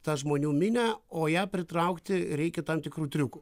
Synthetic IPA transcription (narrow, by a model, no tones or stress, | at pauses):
t̪ɑʒmoːnʲuːmʲɪnʲæoːjæpʲɾʲɪt̪ɾɑʊkt̪ʲɪɾʲɛɪkʲɛt̪ɐmt̪ʲɪkɾuːt̪ʲɾʲʊkʊ